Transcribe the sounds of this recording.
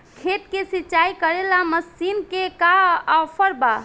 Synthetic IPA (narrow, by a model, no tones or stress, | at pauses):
kʰeʈkesit͡ʃaikəɾelaməsinkekaapʰəɾba̰